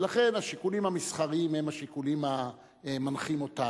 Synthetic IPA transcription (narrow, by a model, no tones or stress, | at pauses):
laχe̞naʃikulimhamisχaʁimhemaʃikulima | manχimo̞ta